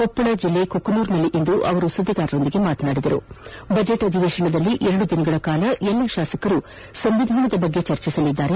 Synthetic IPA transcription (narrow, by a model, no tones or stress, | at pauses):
ɔpːɐɭɐd͡ʒilːe̞kokːɐnuːɾnɐlːiʔind̪uʔɐʋɐɾusɐd̪ʱːɐɡaːɾɐɾo̞nd̪iɡe̞maːt̪ɐnaːɽid̪ɐɾṵbɐd͡ʒe̞ʈɐd̪ʱiʋeːʃɐɳɐd̪ɐlːiʔɛɾɐɽud̪inɐɡɐɭɐkaːlɐʔɛlːɐʃaːsɐkɐɾu | sɐmʋid̪ʱaːɳɐd̪ɐbɐɡːe̞t͡ʃɐɾt͡ʃisɐlid̪ːaːɾe